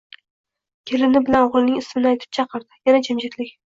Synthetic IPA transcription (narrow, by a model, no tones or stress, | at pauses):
kʲʰelɪnɪbɪlanʁʊlˠnɪŋɪsmɪnɪajt̪ʰɪ̥p̚t͡ʃʰɑqʰɨɾd̪ɪjanad͡ʒamd͡ʒɪt̪lɪkʲ